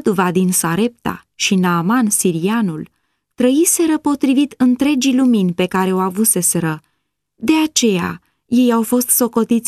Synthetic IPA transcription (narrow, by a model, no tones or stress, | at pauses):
d̪uvad̪insaɾe̞p̚t̪a̰ | ʃinaːmansiɾianul | t̪ɾəise̞ɾəpo̞t̪ɾivit̪ɨnt̪ɾe̞d͡ʒiluminʲpe̞kaɾe̞owavuse̞se̞ɾə | d̪e̞at͡ʃe̞ja̰ | je̞jawfo̞st̪so̞ko̞t̪it̪sʲ